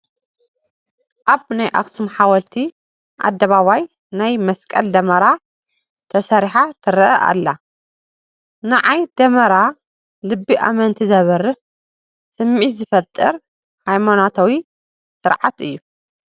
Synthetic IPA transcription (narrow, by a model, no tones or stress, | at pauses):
ʔaβnajʔa̰kt̪ʰumħawɐlt̪ʰi | ʔa̰d̪ːɐβaβaj | najmɐskʼɐld̪ɐmɐɾa | t̪ʰɐsɐɾiħat̪ʰɨɾʔɐʔa̰lːa | naʕajd̪ɐmɐɾa | lɨbːiʔa̰mɐnt̪ʰizɐβɐɾɨ | sɨmʕit̪zɨfɐt̪ʼːɨɾ | hajmanat̪ʰawi | sɨɾʕat̪ɨ̰jːu